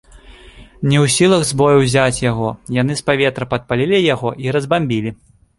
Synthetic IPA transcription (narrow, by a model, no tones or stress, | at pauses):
nʲɛwsʲilˠɐɣzbɔjuwzʲat͡sʲjaɣɔjanɨspavʲɛt̪ɾɐpɐt̪̚palʲilʲijaɣɔʔiɾɐzbamʲbʲilʲi